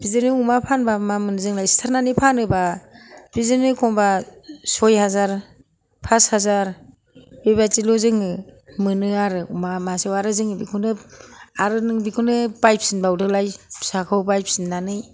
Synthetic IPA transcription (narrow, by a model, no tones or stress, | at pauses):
b̥izɯnɯumapʰanbamamɯnɯzɯŋlajstʰaɾnanipʰanɯbabizɯnɯkʰɔŋbasɔjɦazaɾ | pʰashazaɾ | beβatilozɯŋɯmɯnɯaɾɯumamasewaɾɯzɯŋbikʰunɯaɾɯnɯŋbikʰunɯpajp̚sinbawdɯlajsakʰawbajp̚ʰsinːanɯj